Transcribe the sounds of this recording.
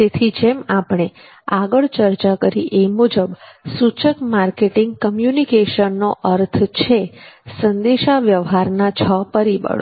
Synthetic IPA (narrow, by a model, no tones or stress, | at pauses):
t̪et̪ʰid͡ʒemapɳ̃e | aɡəɭt͡ʃəɾt͡ʃakəɾiʔemud͡ʒəbsut͡ʃəkmaɾkeʈɪŋɡ̚kəmjunikeʃənːoʔəɾt̪ʰt͡ʃʰesənd̪eʃaʋjəʋɦaɾnat͡ʃʰəpəɾibə̰ɭo